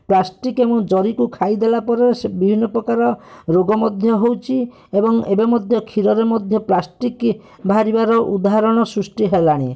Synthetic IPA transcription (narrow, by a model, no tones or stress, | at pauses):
plasʈikemũd͡ʒɔɾikukʰajd̪elapɔɾesbibʱinːɔpɾɔkaɾɔɾoɡɔmɔd̪ʱjɔɦowt͡ʃʰi | ebɔŋebemɔd̪ʱjɔkʰiɾɔɾemɔd̪ʱjɔplasʈik | bʱaɾibaɾɔʔud̪aɦaɾɔɽ̃ɔsɾusʈiɦelaɽ̃i